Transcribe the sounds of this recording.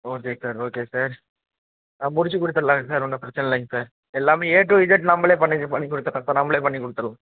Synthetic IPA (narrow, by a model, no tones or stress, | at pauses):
oːkeːsaːɾoːkeːsaːɾ | amʊɽɪt͡ʃːɯkːʊɽɯt̪ːɐɾɐlãːŋsaːɾɔnːɐpɪɾɐt͡ʃːɐnɐlɐɪŋsaːɾ | ɛlːaːmeːeːʈɾũʋɪd͡ʒɐʈnɐmbɐɭeːpɐɳːipɐɳːikːʊɽɯt̪ːɯɾɭlaːɐsaːɾnɐmːɐɭeːpɐɳːikːʊɽɯt̪ːɯɾlãː